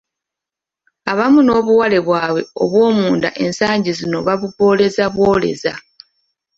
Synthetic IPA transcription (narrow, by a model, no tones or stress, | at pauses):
aβamuno̞ːβuwale̞βwaːβwe̞̰o̞̰βwo̞ːmuːnda̰ʔe̞nsaːɲɟizino̞βaβuɡo̞ːle̞zaβwo̞ːle̞̰za̰